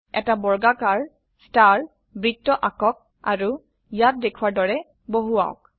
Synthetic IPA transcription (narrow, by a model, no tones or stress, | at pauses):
ɛ̰tabɔɹɡakaɹ | staɹ | bɹitːɔʔakɔk̚ | a̰ɹu | jat̚dekʰuaɹdɔɹɛ | boɦua̰o̰k̚